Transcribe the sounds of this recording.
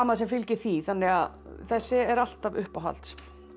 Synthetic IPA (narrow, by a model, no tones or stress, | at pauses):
aːmaðsɛmfɪlcɪɾθiθanːɪɣað | θɛsːɪɛɾal̥t̪avʏhpawɦa̰lt̪s